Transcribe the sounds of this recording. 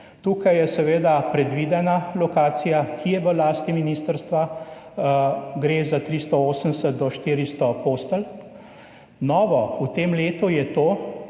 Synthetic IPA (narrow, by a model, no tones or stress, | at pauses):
t̪uːkajjɛsɛʋeːd̪apɾɛd̪ʋid̪ɛnalɔkaːt̪sijakʰijɛʋəlaːst̪iminiːst̪əɾst̪ʋa | ɡɾezat̪ɾist̪ɔoːsənsət̪̚d̪ɔʃt̪iːɾist̪ɔpost̪əl | nɔːʋɔut̪eːmleːt̪ujɛt̪oː